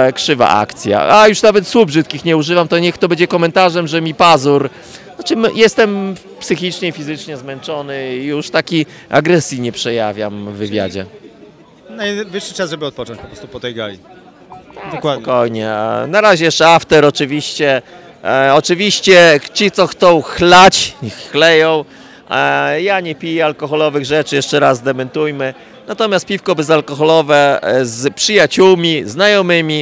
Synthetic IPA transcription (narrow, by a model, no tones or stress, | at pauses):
kʂɘva̰ʔa̰kt̪sʲja̰a̰juʂnavɛt̪swubʐɘt̪̚kʲixɲɛuʐɘvamt̪ɔɲɛxt̪ɔbɛɲd͡ʑɛkɔmɛnt̪aʐɛmʐɛmʲipazuɾ | nat͡ʂɘmjɛst̪ɛm | psɘxʲit͡ʂɲɛifʲizɘt͡ʂɲɛzmɛnt͡ʂɔnɘjuʂt̪akʲiaɡɾɛsʲjiɲɛpʂɛjavʲjamvːɘvʲja̰d͡ʑɛ̰ | navɘʂːɘt͡ʂazʐɔbɪɔt̪̚pɔt͡ʂɔ̃nt͡ɕpɔpɾɔst̪upɔt̪ɛjɡaji | d̪ɔkwaɔkɔjɲɛnaɾaʑɛjɛʂaft̪ɛɾɔt͡ʂɘvʲiɕt͡ɕɛ | ɔt͡ʂɘvʲiɕt͡ɕɛt͡ɕit̪sɔxt̪sɔ̃w̃xlat͡ɕɲixːlɛjɔ̃w̃ | jaɲɛpʲijɛalkɔxɔlɔvɘɣʐɛt͡ʂɘjɛʂt͡ʂɛɾazd̪ɛmɛnt̪ujmɘ | nat̪ɔmʲjast̪̚pʲifkɔbɘzalkɔxɔlɔvɛzpʂɨjat͡ɕuwmʲiznajɔmɘmʲi